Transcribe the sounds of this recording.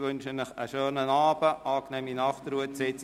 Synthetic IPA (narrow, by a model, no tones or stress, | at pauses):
ʋɵnʃənnəχə̰ʃøːnənɑːb̥əʔɑːknɛːminɑχtɾuətsɛːts